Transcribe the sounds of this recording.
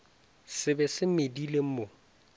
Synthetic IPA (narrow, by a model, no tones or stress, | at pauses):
sɪbɛsɪmedilem̩mo